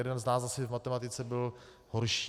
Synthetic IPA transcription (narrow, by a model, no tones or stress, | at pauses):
ɛdɛnznaːszasɛvmat̪ɛmat̪ɪt͡sɛbɪl | hoɾʃi